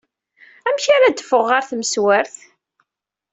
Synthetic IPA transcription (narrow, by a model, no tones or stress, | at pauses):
æmçaɾad̪əfʊʁːaɾθməswəɾθ